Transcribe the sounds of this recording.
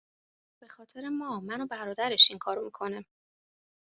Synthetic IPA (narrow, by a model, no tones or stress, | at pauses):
b̥e̞xɒːt̪ʰe̞ɾe̞mɒːmænobæɾɒːd̪æɾe̞ʃiŋkʰɒːɾomikʰo̞næm